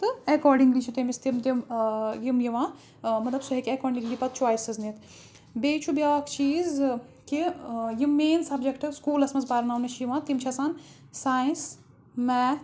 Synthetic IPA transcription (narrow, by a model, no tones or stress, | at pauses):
t̪ɨɐkɔːɾɖiŋɡlit͡ʃʰit̪emist̪imt̪imjimjiʋãː | mɐt̪lɐbsuɦekʲiɐkɔːɾɖiiŋɡlipɐt̪̚t͡ʃwaːisɐznit̪ | beːt͡ʃʰubjaʋakʰt͡ʃiːz | kijimːeːnsɐbd͡ʒekʈɨskuːlɐsmɐzsbaːɾnaːwnmɐʃʰjiʋãːt̪imt͡ʃʰɐsaːn | saːins | mɛːt̪